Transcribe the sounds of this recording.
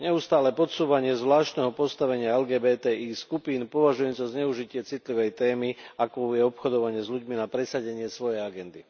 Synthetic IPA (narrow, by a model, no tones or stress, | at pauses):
ɲɛust̪aːlɛpɔt̪suːʋaɲɪɛzʋlaːʃt̪nɛɦɔpɔst̪aʋɛɲɪaɛlɡɛːbɛːt̪ɛːʔiːskupiːnpɔʋaʒujɛnt͡sɔzɲɛuʒicɪɛt͡sit̪liʋɛjt̪ɛːmiakɔjɛɔpxɔd̪ɔʋaɲɪɛzʎuɟminapɾɛsaɟɛɲɪɛsʋɔjɛjaɡɛnd̪i